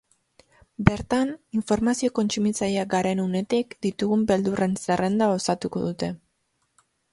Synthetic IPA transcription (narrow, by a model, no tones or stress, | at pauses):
be̞ɾt̪aniɱfo̞ɾmasio̞ko̞nt͡sumit͡sajiaɡaɾe̞nune̞t̪ikd̪it̪uɣumbe̞ld̪ure̞nsere̞nd̪ao̞sat̪uko̞̰ð̞ut̪e̞